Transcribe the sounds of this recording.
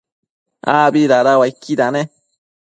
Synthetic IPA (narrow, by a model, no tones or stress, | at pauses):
abiɾaɾawaikːid̪ane